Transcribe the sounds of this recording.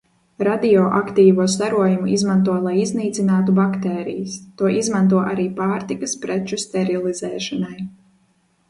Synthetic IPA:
ɾad̪iɔʔakt̪iːvuɔs̬t̪aɾuɔjumuʔizmant̪̬uɔlˠajizniːt̪sinaːt̪ubakt̪ɛːɾḭjɐst̪uɔʔizmant̪̬uɔʔaɾiːpaːɾt̪ikɐspɾɛt͡ʃust̪ɛɾilˠizɛːʃɔnaj

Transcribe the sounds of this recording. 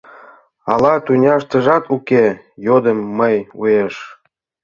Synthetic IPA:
ɑlɑt̪unʲɑʃt̪ə̆ʒɑt̪ʰuke | jod̪əmːəjujeʃ

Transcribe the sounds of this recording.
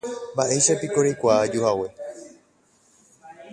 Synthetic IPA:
mbaʔe̞jʃapikoɾejkʷaːd͡ʒuhawe̞

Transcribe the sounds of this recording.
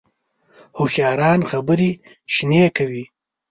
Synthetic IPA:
hʊxjɑːɾɑːnxabəɾi | ʃnekawi

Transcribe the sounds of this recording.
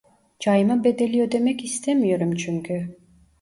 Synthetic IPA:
d͡ʒajɯmabe̞d̪e̞lʲijod̪e̞mɛcist̪ʰemijoɾumt͡ʃʰyŋkʲʰy

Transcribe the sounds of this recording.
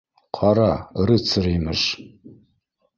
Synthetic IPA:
qʰɑɾaɾɨt͡sʰɨrimɨʂ

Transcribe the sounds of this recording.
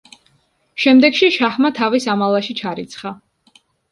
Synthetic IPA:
ʃɛmd̪ɛɡʃiʃahmat̪ʰavisamalˠaʃit͡ʃʰaɾit̪sʰχa

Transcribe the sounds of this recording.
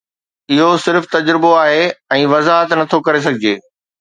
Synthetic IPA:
ɪɦosɪɾft̪ɐd͡ʑɾɪboaːɦeɛ̃ːʋɐzaːɦət̪nɐt̪ʰokɐɾes̬ɐɡʱɪd͡ʑeː

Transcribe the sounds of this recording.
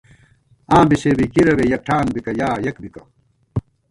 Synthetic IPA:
ãːbiseːbikiɾɐβejɐk̚ʈʰaːnbikɐjaːjɐkbikɐ

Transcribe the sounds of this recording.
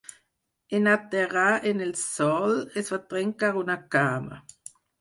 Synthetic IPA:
enat̪eʁaʔenelsɔlesfat̪ʁɛŋkaʁunakaːma̰

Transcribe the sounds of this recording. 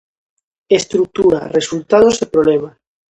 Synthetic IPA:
est̪ɾuk̚t̪uɾa̰result̪aðozepɾoβlema

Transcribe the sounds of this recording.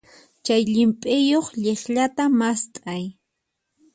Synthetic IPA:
t͡ʃajʎɪmpʼɪjoχʎeχʎat̪amast̪ʼaj

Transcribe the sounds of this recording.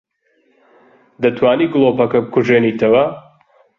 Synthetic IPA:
d̪ɐt̪ʰwaːniːɡlˠoːpɐkɐbɨkʰuʒeːniːt̪ʰɐwɐ

